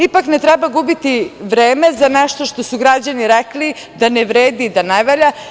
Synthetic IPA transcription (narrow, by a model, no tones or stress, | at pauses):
ipaknet̪ɾɛbaɡubit̪iʋɾeːme̞zanɛʃt̪o̞ʃt̪o̞suɡɾad͡ʑaniɾɛkli | d̪aneʋɾeːd̪id̪anajʋaʎa